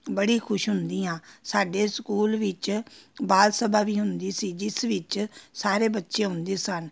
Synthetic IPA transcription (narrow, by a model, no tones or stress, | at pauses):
bəɽiːkʰʊʃɦʊnd̪iːãːsaːɖeːskuːlʋɪt͡ʃbaːlsəbaːʋiːɦʊnd̪iːsiːd͡ʒɪsʋɪt͡ʃsaːɾeːbətːʃẽːɦʊnd̪eːsən